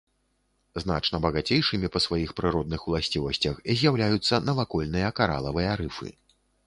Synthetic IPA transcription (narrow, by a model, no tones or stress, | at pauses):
zna̰t͡ʂnɐbɐɣat͡sʲejʂɨmʲipɐsvajixpɾɨɾɔd̪nɨxwlˠasʲt͡sʲivɐsʲt͡sʲɐxizʲjawlʲajut̪sːɐnɐvakɔlʲnɨjɐkaɾa̰lˠɐvɨjɐɾɨfɨ̰